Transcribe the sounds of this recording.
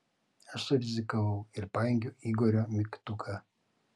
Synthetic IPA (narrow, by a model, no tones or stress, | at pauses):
ɐʃsʊɾʲɪzʲɪkɐʋɐʊɪɾpɑːjɛŋʲɡʲʊiɡɔɾʲomʲɪkt̪uːkʰɐ